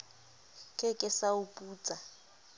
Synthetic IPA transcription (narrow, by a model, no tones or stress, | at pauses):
kʼɛkʼɪsaupʼuːt͡sʼa